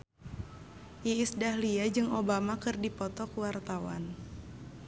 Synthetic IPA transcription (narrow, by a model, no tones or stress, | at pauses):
jiisdahliad͡ʒɨŋobamakɨrdipɔt̪ɔkuwart̪awa̰n